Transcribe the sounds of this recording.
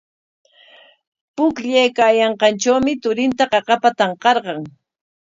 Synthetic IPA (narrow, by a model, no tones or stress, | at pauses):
pʊkʎajkaːjɑɴqɑnt͡ʃawmɪt̪ʊɾɪnt̪aɢɑqɑpat̪ɑɴqɑɾɢɑŋ